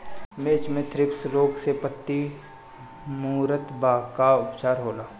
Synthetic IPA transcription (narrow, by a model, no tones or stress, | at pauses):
meːt͡ʃmẽt̪ʰɾɪpsɾoːksepət̪ːi | muːɾət̪baːkaʊpt͡ʃaːɾɦoːlaː